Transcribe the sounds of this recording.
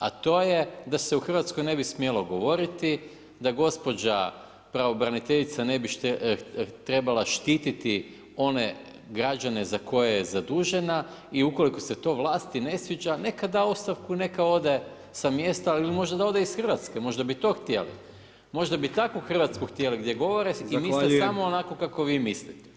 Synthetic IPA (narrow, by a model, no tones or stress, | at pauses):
a̰t̪o̞ːjed̪aseuxr̩ʋat̪sko̞jne̞bismjelo̞ɡo̞ʋo̞ɾit̪i | d̪aɡo̞spo̞d͡ʑa̰ | pɾao̞bɾanit̪eʎit̪sanebiʃ | t̪ɾe̞balˠaʃt̪iːt̪it̪i | o̞ne | ɡɾad͡ʑane̞zako̞jejezad̪uːʒe̞na | iuko̞liko̞se̞t̪o̞ːʋlˠaːst̪ine̞sʋid͡ʒane̞kad̪aost̪aʋkune̞kao̞d̪e̞ | samje̞st̪ailimo̞ʒd̪ad̪ao̞d̪eisxr̩ʋat̪skemo̞ʒd̪abit̪o̞ːxt̪jelḭ | mo̞ʒd̪abit̪akoxr̩ʋat̪skuxt̪jeliɡd̪je̞ɡo̞ʋo̞ɾeimiesamoːnako̞kako̞ʋiːmislit̪e̥